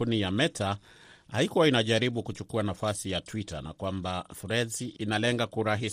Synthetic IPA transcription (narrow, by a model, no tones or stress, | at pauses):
unijamɛta | haikuwainaʄaɾiɓukut͡ʃukuanafasijatwita̰na̰kwambafɾɛziʔinalɛŋɡakuɾaɦi